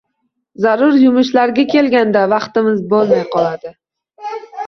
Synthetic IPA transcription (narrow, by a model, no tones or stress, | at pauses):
zaɾʊɾjʊmʊʃlaɾɡʲakʲʰe̞lɡʲand̪avɑqt̪ɪmɪzbolˠmajqʰɒlˠad̪ɪ